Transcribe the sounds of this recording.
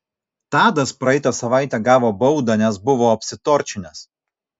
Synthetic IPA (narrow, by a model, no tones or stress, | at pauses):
t̪ɑːd̪ɐspɾɐɛɪt̪ɐsɐʋɑˑɪt̪ʲɛɡɑːʋoːbɒʊd̪ɐnʲɛs̬bʊʋoːɐpʲsʲɪt̪oːɾʲt͡ʃʲɪnʲɛs